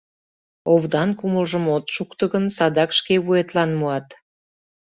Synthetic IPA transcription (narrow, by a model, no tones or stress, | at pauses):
ovd̪ɑnkuməlʒəmot̪ʃukt̪əɣənsɑd̪ɑkʃkeβuet̪lɑnmuɑt̪